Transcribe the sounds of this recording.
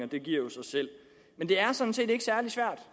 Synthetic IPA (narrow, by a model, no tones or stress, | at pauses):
ɒd̥e̝ɡ̥iɐ̰jo̝sɑɪsel̰ | mend̥e̝æɐsɒ̽n̩se̝̰ːde̝ɡ̥əsæɐlisʋæɐ̰d̥